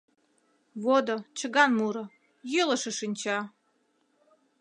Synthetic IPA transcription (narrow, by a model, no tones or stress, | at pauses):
βod̪ot͡ɕə̆ɣɑnmuɾŏ | jøləʃə̆ʃinʲt͡ɕɑ